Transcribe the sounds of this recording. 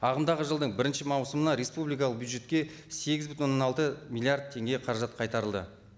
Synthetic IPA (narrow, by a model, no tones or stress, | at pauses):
ɑʁəmd̪ɑʁəʒəlˠd̪əɴbɪɾɪnʃɪmɑwsəmənɑɾe̞spublijkɑlˠəq̚bjud̪ʒe̞t̪kʲe̞ | se̞ɡʲɪzbʏt̪nonaɑnɑlˠt̪əmilʲːˠijard̪̚t̪ʰːe̞ŋɡʲe̞qʰɑɾɑʒɑt̪̚qʰɑjt̪ɑɾəlˠd̪ə̰